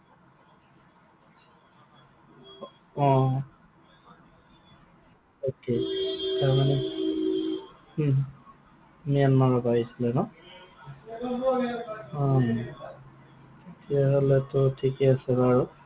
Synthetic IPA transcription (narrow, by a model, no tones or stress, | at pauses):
ɔ̃ | oketaɹmanɛ | mianmaɹɔpaɦisilɛnɔ | ɔ | ketijaɦolɛtʊtʰikɛasɛbaɹu